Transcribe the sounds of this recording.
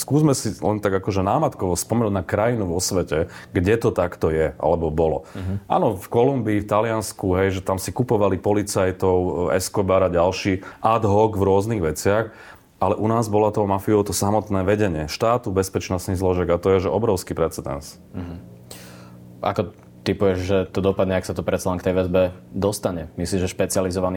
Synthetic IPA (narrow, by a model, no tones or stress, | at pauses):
skuːzmɛsilɛ̰nt̪aɡakɔʒɛnaːmat̪kɔʋɔspɔmɛnuɟnakɾajinuʋɔsʋɛcɛɡɟɛt̪ɔt̪akt̪ɔjɛʔa̰lɛbɔbɔlɔ̰ʔa̰ːnɔfkɔlumbiːft̪alɪanskuɦɛjʒɛt̪amsikupɔʋalipɔlit͡sajt̪ɔʊɛ̰skɔbaɾaɟalʃiːʔad̪ɦɔɡvɾʊɔzniːɣʋɛt͡sɪax | alɛʔunaːzbɔlat̪ɔmafiɔʊt̪ɔsamɔt̪nɛːʋɛɟɛɲɪɛʃt̪aːt̪ubɛspɛt͡ʃnɔst̪niɣzlɔʒɪɛɡat̪ɔjɛʒɛɔbɾɔʊskipɾɛt͡sɛd̪ɛ̰ns̩ | ɦ | a̰kɔ | t̪ipujɛʒʒɛt̪ɔd̪ɔpad̪ɲɛaksat̪ɔpɾɛt̪t͡salɛnŋkt̪ɛjʋɛzbɛd̪ɔst̪aɲɛmisliːmʒɛʃpɛt͡sɪalizɔʋani